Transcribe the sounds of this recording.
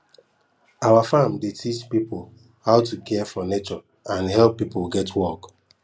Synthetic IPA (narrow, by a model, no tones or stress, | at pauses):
awafãmdetʰit͡ʃpipol | haʊtukʰɛfɔnet͡ʃɔ | ãnɦɛlˠpːipolˠɡɛtwɔk